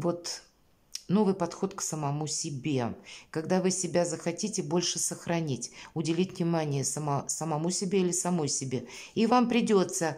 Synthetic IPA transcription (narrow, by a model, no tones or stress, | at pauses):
vo̞t̪ | no̞vɨjpɐt̪xo̞t̪ksəmɐmusʲɪbʲe̞kɐɡd̪avɨsʲɪbʲazəxɐtʲitʲɪbo̞lʲʂɨsəxɾɐnʲitʲʊdʲɪlʲitʲvnʲɪmanʲɪjəsəmsəmɐmusʲɪbʲeilʲɪsɐmo̞jsʲɪbʲe | ivampɾʲɪdʲo̞t̪sə